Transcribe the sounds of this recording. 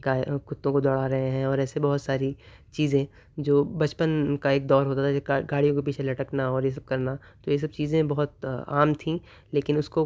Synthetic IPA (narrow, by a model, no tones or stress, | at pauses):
kakʊt̪ːõkod̪ɔːɽaɾɐɦẽɦɛ̃ɔːɾɛːsebɐɦʊt̪saːɾi | t͡ʃiːzẽ | d͡ʒoːbɐt͡ʃpənkaeːk̚d̪ɔːɾɦoːt̪at̪ʰaeɡaːɽijõkepiːt͡ʃʰelɐʈəknaɔːɾjes̬ɐb̚kɐɾna | t̪ojes̬ɐb̚t͡ʃiːzẽbɐɦʊt̪a̰ːmt̪ʰĩː | leːkɪnʊsko